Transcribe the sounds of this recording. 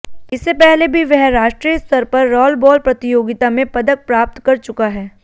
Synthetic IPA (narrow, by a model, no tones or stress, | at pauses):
ɪsːepɛɦlebʱiʋɛɦɾaːʃʈɾijəst̪ʰɐɾpɐɾːɔːlbɔːlpɾɐt̪ɪjoːɡɪt̪amẽpɐd̪ək̚pɾaːp̚t̪kɐɾt͡ʃʊkaɦɛː